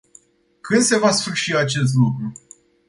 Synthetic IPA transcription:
kʰɨnd̪se̞vasfɨɾʃiat͡ʃe̞s̬t̪lukɾu

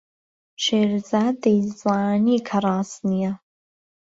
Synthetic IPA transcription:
ʈ͡ʂʰeːrzadejzʼaːniːkʰaɾaːsnija

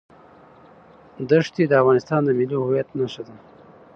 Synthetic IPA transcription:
d̪əʂt̪ed̪əafɣɑnɪst̪ɑnd̪əmilohuwjat̪naʃad̪a

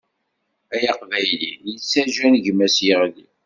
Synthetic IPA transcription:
æjɑqvæjlḭjət͡sːæʒænʝmæsjəʁli

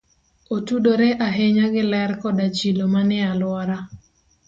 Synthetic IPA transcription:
otudoɾɛʔaɦeɲaɡɪlɛrkɔdat͡ʃilomanɪalwɔɾa

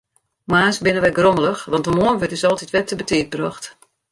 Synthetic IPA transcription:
maːsbɪnəʋɛɡromələxʋɑntəmoənʋøtɪsɔlˠtitʋɛtːəbətiət̚brɔxt

